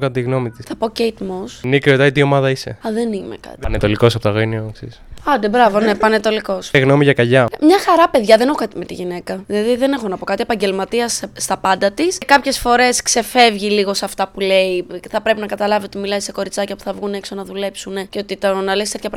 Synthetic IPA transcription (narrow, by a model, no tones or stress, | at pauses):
kɐt̪ɐt̪iɣno̞mit̪i̥sθɐpo̞cejt̪mosnikɾiot̪ɐit̪io̞mɐðɐise̞̰ɐðenimḛkɐ̰t̪net̪oliko̞sɐpot̪ɐɣoinioksḭsɐd̪ebɾɐvo̞nepɐnet̪o̞liko̞sɣno̞miʝɐkɐʝɐmɲɐxɐɾɐpe̞ðʝɐðene̞xokɐt̪ime̞t̪iʝine̞kɐðilɐðiðe̞nexonɐpo̞kɐt̪ie̞pɐɲɟe̞lmɐt̪iɐsst̪ɐpɐnd̪ɐt̪iskɐpçe̞sfo̞ɾe̞skse̞fe̞vʝiliɣo̞sɐft̪ɐpule̞iθɐpɾepinɐkɐt̪ɐlɐvio̞t̪imilɐiseko̞ɾit͡sɐcɐpu̥θɐvɣune̞kso̞nɐðule̞psuneceo̞t̪it̪onɐlesk̪et̪çɐpɾ